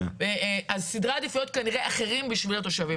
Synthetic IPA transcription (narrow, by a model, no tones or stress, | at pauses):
eʔazsid̪ʁaːd̪ifujo̞t̪̚kaniʁeʔaχe̞ʁimbiʃvilat̪o̞ʃavi